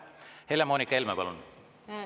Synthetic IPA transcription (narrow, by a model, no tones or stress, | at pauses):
helemoːnikːˑɑelmepɑlun